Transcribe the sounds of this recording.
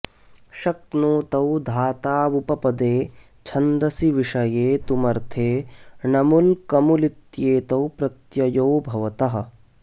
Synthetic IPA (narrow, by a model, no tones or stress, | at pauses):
ʃɐknoːt̪ɐwd̪ʱaːt̪aːʋupɐpɐd̪eː | t͡ʃʰɐnd̪ɐsiʋiʂɐjeːt̪umɐɾt̪ʰeːnɐmulkɐmulit̪jeːt̪ɐwpɾɐt̪jɐjoːbʱɐʋɐt̪ɐɦɐ̆